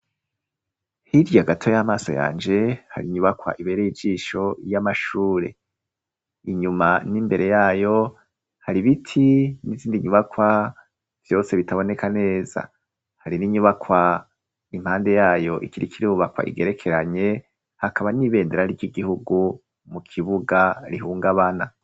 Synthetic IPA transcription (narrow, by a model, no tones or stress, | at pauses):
hiɾjaɡatʰo̞jamaːso̞̰ja̰ːnd͡ʒe̞ha̰ɾiɲuβakwa̰ʔiβe̞ɾejid͡ʒiːʃo̞jamaʃuːɾe̞̰ | iɲumanimbe̞ɾe̞jaːjo̞ | haɾiβitʰiniziːndiɲuβakwa | v̥jo̞ːse̞βitaβo̞ne̞kʰane̞ːza̰ | haɾiniɲuβakwa | im̥haːnde̞jaːjo̞ʔikiɾikiɾiuuβakwa̰ʔḭɡe̞ɾe̞kʰe̞ɾaɲe̞ | hakʰaβaniβe̞ːndeɾaɾiɟiɡihuɡu | mukʰiβuɡaɾihuːŋɡaβana